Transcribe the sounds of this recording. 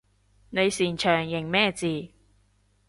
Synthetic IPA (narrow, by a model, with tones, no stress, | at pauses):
ne˨˧jsiː˨˩nt͡ʃʰœː˨˩ŋjɪ˨˩ŋmɛː˥˧t͡siː˨